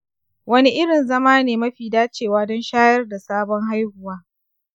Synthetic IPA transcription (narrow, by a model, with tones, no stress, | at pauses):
wɐ˦ni˦ʔɪ˦ɽɪ˨nzɐ˦maː˦neː˨mɐ˦ɸiː˨daː˦t͡ʃeː˨waː˦dɔ˦nʃaː˦jɐ˦rda˨saː˦bɔ˦ŋɦa˦jhʊ˨waː˦